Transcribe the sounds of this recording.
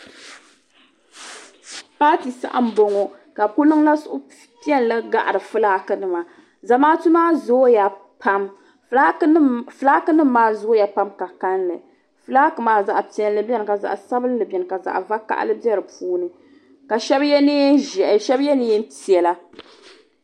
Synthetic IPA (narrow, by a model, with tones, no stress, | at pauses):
paː˦ti˨sa̰˦ʔa̰˦m̩˦bo˨ŋo˨ | ka˨pu˦lɨ˦ŋla˦sʊ˨ʔʊ˦ | pi˦ɛ˦n˦lɨ˦ɡa˨ʔa˨ɾɨ˨fɨ˦laː˦kɨ˨nɨ˦ma˨ | za˨maː˦tu˦maː˦zja˨ | pʰa˦m˦ | fɨ˨laː˦kɨ˦nɨ˦mː˦aː˦zo˨˦ja˨pa˦mka˨ka˦nlɨ̰˨ | fɨ˦laː˦kɨ˨maː˨˦za˨ʔpi˨˦ɛ˦nlɨ˦bɛ˦n˨ka˨za̰˨ʔsa˦bɨ˦n˦lɨ˨bɛ˨nɨ˨ka˨za̰˨ʔva˦ka̰˦ʔlɨ˦bɛ˦ɾɨ˨puː˦nɨ˨ | ka˨ʃɛ˦bjɛ˦ne˦ʒɛ˨ʔʃɛ˦bjɛ˦nɨ˦ɛ˦n˦ti˨ɛ˨la˦